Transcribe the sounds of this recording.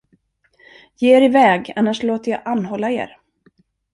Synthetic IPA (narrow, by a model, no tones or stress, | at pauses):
jeːeːɾɪvɛːɡanːaʂloːt̪əɾjɑ̰ʔanːɦɔlːaḛːɾ